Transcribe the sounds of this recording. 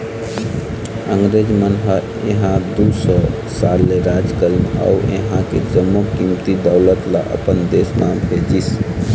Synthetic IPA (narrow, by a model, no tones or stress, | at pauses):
əŋɡɾed͡ʒmənɦə | eɦãd̪usɔ | salːeɾad͡ʒkəlina̰uḛɦãkḛd͡ʒəmːukimt̪id̪əʊlət̪la̰ʔə̰pənd̪esmabʱed͡ʒis